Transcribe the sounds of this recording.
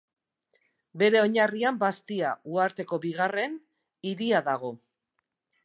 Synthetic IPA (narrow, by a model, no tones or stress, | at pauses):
be̞ɾe̞o̞ɲariambast̪iauaɾt̪e̞ko̞βiɣare̞n | iɾiaðaɣ̞o̞